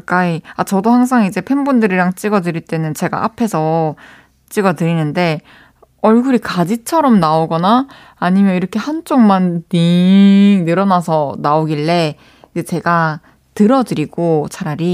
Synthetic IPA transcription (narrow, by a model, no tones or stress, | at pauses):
ak͈aiat͡ɕʌdohaŋs̬ʰaŋid͡ʑe̞pʰe̞nbundɯɾiɾaŋt͡ɕ͈iɡʌdɯɾiɭt͈e̞nɯnt͡ɕe̞ɡa̰ʔa̰pʰe̞sʰʌ | t͡ɕ͈iɡʌdɯɾinɯnde̞ | ʌɭɡuɾikad͡ʑit͡ɕʰʌɾʌmnaoɡʌnaː | ɲimjʌiɾʌkʰe̞hant͡ɕ͈ʰoŋmanːi | nɯɾʌnasʰʌnaoɡiɭːe̞ | id͡ʑet͡ɕe̞ɡa | tɯɾʌdɯɾiɡ̥ot͡ɕaɾaɾi